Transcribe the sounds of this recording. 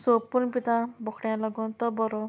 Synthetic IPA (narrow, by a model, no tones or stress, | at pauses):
sopuɾpit̪abɔkʰɽjãlɔɡɔnt̪ɔbɔɾɔ